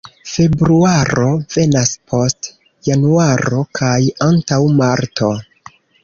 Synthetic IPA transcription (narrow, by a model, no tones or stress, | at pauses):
fe̞bɾuaɾo̞ve̞naspʰo̞st | januaɾo̞kʰajantawmaɾto̞